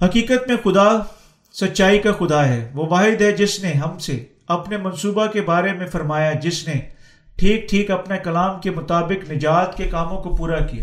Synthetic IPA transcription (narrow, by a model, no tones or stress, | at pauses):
hɐkiːkət̪mẽxʊd̪a | sɐt̪ːʃaːikaxʊd̪aɦɛːʋoʋaːɦɪd̪ɦɛd͡ʒɪsneɦɐmse | ɐpnemɐ̃nsuːbakebaːɾemẽfɐɾmaːjad͡ʒɪsne | ʈʰiːk̚ʈʰiːkɐpnekɐlaːmkemʊt̪aːbɪknɪd͡ʒaːt̪kekaːmõkopuːɾakija̰ː